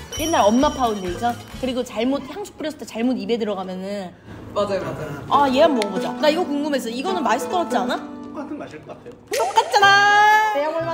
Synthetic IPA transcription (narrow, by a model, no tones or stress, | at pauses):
je̞nːaɾʌmːapʰaundeisʰankɯɾiɡot͡ɕaɭmot̚çjaŋsʰu̥p͈ɯɾjʌsʰʌt̪ʰet͡ɕaɭmodibe̞dɯɾʌɡamjʌnɯn | aje̞jammoʌbod͡ʑakaiɡʌkuŋɡɯme̞sʰʌiɡʌnɯnmas͈ɯt͈ʌʌt̚t͡ɕ͈ana | unok͈at̚t͡ɕ͈ana